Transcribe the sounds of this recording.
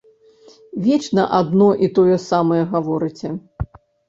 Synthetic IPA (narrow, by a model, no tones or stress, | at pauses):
vʲɛt͡ʂnɐʔad̪nɔʔit̪ɔjɐsamɐjɛɣavɔɾɨt͡sʲɛ